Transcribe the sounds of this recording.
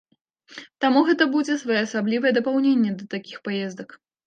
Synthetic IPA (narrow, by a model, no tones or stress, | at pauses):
t̪amuɣɛt̪ɐbud͡zʲɛsvajɛɐsablʲivɐjɛd̪ɐpawnʲenʲːɛd̪ɐt̪akʲixpajɛzd̪ɐk